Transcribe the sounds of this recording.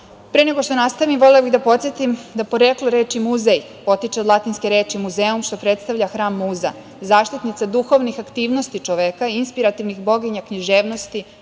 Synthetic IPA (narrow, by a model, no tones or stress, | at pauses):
pɾeneɡoʃt̪onast̪aʋimʋo̞lebiɣd̪apo̞t̪sjet̪imd̪apo̞ɾekloɾeːt͡ʃimuzej | po̞t̪it͡ʃed̪lˠat̪inske̞ɾeːt͡ʃimuzeːumʃt̪o̞pɾet̪st̪aʋʎaxɾaːmːuːza̰ | zaːʃt̪it̪nit̪sad̪uxo̞ʋnixakt̪iːʋno̞st̪it͡ʃo̞ʋekainspiɾat̪iʋnixbo̞ɡiɲakɲiʒeːʋno̞st̪i